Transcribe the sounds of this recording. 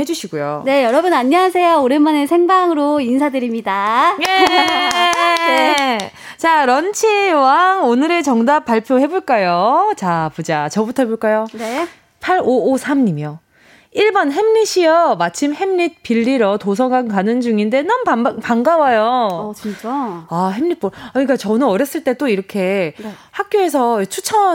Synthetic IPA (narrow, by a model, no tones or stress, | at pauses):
he̞d͡ʑuɕʰiɡujone̞jʌɾʌbɯnaɲːeɦasʰe̞jooɾemanesʰe̞ŋbaŋɯɾoinsʰadɯɾimɲidaje | e | t͡ɕaɾʌnt͡ɕʰiwaŋonɯɾe̞t͡ɕʌŋdap̚p͈aɭpʰjohe̞boɭk͈ajot͡ɕapud͡ʑat͡ɕʌbutʰʌɦeboɭk͈ajone | pʰaɾoːsʰamɲimjʌ | iɭbʌnɦe̞mɲiɕʰiʌmat͡ɕʰimhe̞mɲit̚p͈iʎːiɾʌtosʰʌŋaŋkanɯnd͡ʑuŋinde̞nʌnpapaŋɡawajot͡ɕit͡ɕaɦe̞mɲit̚p͈oʌɲik͈at͡ɕʌnɯnʌɾjʌs͈ɯɭt͈e̞t͈oiɾʌkʰe̞hak̚k͈joe̞s̬ʰʌt͡ɕʰut͡ɕʰʌ